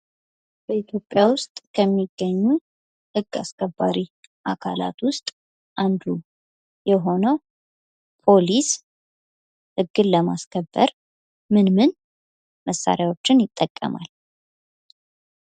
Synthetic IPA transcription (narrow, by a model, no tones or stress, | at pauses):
b̥əit̪ʰjo̞pʼːjawʊst̪ʼkʰəmːiɡːəɲːu | hɨɡːaskʰəbːaɾi | ʔakʰa̰la̰t̪wʊst̪ʼ | ʔand̪u | jɛɦo̞nəw | pʰo̞lis | hɨɡːɨnləma̰skʰəbːə̰ɾ | mɨnmɨn | məsːa̰ɾjawo̞t͡ʃːɪnjɪt̪ʼːəkʼːə̰ma̰l